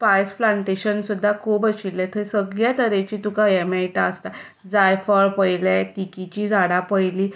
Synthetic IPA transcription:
pajsflaɳʈeɕənsud̪ʱːakʰuːbət͡ɕilːat̪ʰəɾisəɡɭjat̪əɾet͡ɕiːt̪ukaemeʈaːst̪a | d͡zajfəɾpəjlat̪ikit͡ɕiːd͡zaɽapəjliː

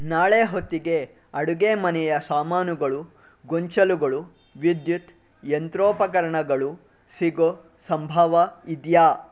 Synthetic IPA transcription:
naːɭeːɦot̪ːiɡe̞ | ɐɽuɡeːmɐnɛjɐsaːmaːnuɡɐɭu | ɡoɲt͡ʃɐluɡɐɭu | ʋid̪jut̪ | jent̪ɾoːpɐkɐɾɐɳɐɡɐɭu | siɡo | sɐmbʱɐʋɐid̪jaː

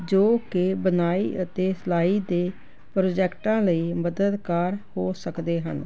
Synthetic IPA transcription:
d͡ʒoːkɪbənaːḭːʔət̪eːsəlaːiːd̪eː | pɾoːd͡ʒɛːkʈãːləiːməd̪əd̪kaːɾhoːsəkd̪eːɦə̰n

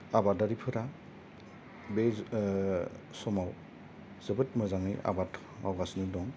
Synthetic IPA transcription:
abadaɾipʰɯɾa | be | sɔmaw | z̥ɯbɯt̚mɯzaŋɯja̰batʰ | ma̰wɡasnɯdɔŋ

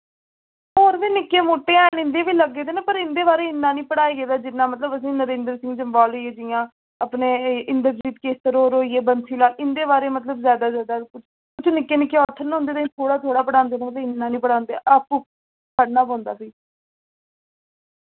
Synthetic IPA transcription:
oːɾʋiːnɪkːeːmoːʈːeːɛːnɪ̃nd̪eːbiːləɡːeːd̪eːnaːpəɾɪnd̪eːbaːɾeːɪnːãːnĩːpəɽaːiːɡeːd̪aːd͡ʒɪnːãːmət̪ləbəs̬ĩːnəɾẽːnd̪əɾsɪ̃ŋɡsəmbaːloieːd͡ʒɪjãː | əpneːʔɪnd̪əɾd͡ʒiːt̪keːst̪əɾoːɾoːiːeːbənsiːlaːɪnd̪eːbaːɾeːmət̪ləbzjaːd̪aːzjaːd̪aːkʊt͡ʃʰ | kʊt͡ʃʰnɪkːeːnɪkːeːɔt̪ʰːəɾnːʊ̃nd̪eːt̪ãːĩt̪ʰoːɽaːt̪ʰoːɽaːpəɽaːnd̪eːnaːmət̪ːɪnːaːnĩːpəɽaːnd̪ḛːʔap | pʰəɽnaːpɔ̃ːnd̪a̰ːsiː

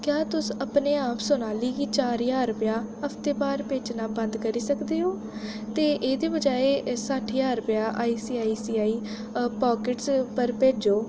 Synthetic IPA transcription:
kjaːt̪ʊsəpneːaːpsʊnaːliːkit͡ʃaːɾjaːɾəpjaːəpʰt̪eːpaːɾpeːt͡ʃnaːbə̃nd̪kəɾiːsəkd̪eːɦoː | t̪eːʔeːd̪eːbəd͡ʒaːeːsəʈʰjaːɾəpjaːʔaːiːsiːaːiːsiːaːiː | paːkɪʈspəɾpeːd͡ʒoː

